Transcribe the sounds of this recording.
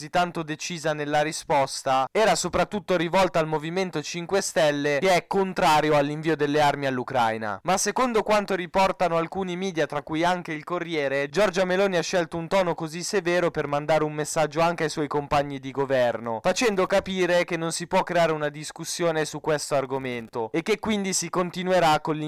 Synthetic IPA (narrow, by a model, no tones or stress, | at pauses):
zit̪ːant̪od̪et͡ʃiːzanelːaɾispɔst̪aɛːɾasopɾat̪ːut̪ːoɾivɔlt̪aalmoviment̪ot͡ʃiŋkwest̪ɛlːekeɛkːont̪ɾaːɾjoalːiɱviːod̪elːearmialːukɾa̰jna̰masːekond̪okwant̪oɾipɔrt̪anoalkuːnimiːd̪jat̪ɾakːujaŋkeilkorːjɛːɾed͡ʒɔrd͡ʒamelɔːniaʃːɛlt̪ount̪ɔːnokozisːevɛːɾopermand̪aːɾeumːesːad͡ʒːoaŋkeajswɔjkompaɲːid̪iɡovɛrnofat͡ʃɛnd̪okapiːɾekenːonsipwɔkːɾeaːɾeunad̪iskusːjoːnesukːwest̪oarɡoment̪oekːekːwind̪isikont̪inueɾakːolː